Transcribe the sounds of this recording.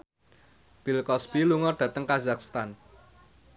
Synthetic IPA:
b̥ilkɔsbiluŋɔɖ̥ä̤t̪əŋkazakst̪an

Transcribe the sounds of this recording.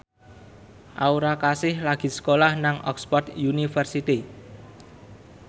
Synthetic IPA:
ʔauɾakasɪhlaɡ̥i̤sə̥kolahnaŋʔɔ̰kspɔt̪junifərsit̪i

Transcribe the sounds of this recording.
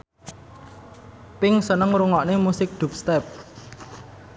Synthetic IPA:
pɪŋsənəŋɾuŋɔʔnemusɪk̚d̪̥ṳp̚st̪ɛp̚

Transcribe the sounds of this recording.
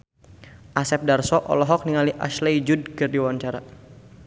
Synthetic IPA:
ʔasɛp̚darsɔʔɔ̰lɔɦɔk̚niŋaliʔa̰ʃlɛjd͡ʒudkɨrdiwaɲt͡ʃaɾa

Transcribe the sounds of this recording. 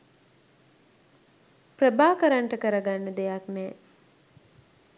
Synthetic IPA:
prəbaːkəɾaɳʈəkəɾəɡanːəd̪ejaknɛː

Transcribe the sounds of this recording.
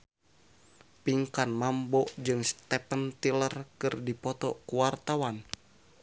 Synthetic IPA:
piŋkanmambɔd͡ʒɨŋst̪ɛpənt̪ilərkɨrdipɔt̪ɔ̰kuwart̪awan

